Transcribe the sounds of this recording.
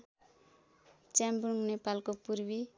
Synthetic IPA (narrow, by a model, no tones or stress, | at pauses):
t͡ʃembruŋnepalkopuɾbi